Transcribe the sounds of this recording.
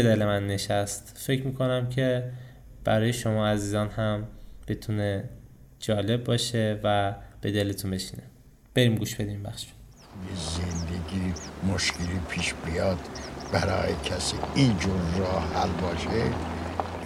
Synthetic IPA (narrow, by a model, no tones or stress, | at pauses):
bed̪elemænːe̞ʃæst̪fe̞cʰɾmiːkʰo̞næmcʰe̞ | b̥æɾɒːje̞ʃo̞mɒːæziːzɒːnhæmb̥e̞t̪ʰune | d͡ʒɒːle̞b̚ːɒːʃe̞væb̥e̞d̪e̞let̪ʰunbe̞ʃi̥ːne | b̥e̞ɾiːmɡuːʃb̥e̞d̪imbæxʃu̥ | t̪ujezend̪eɡiːmoʃkelipʰiːʃbijɑd̪̥b̥æɾɒ̰ːjecʰæsiind͡ʒoɾɾɒːhælbɒːʃe